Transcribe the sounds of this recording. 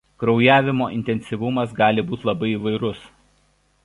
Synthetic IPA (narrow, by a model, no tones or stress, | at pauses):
kɾɒʊjæːʋʲɪmoːʔɪnʲt̪ʲɛnʲsʲɪʋʊmɐsɡɑːlʲɪbuːt̪ʲlˠɐbɐɪiʋɐɪɾʊs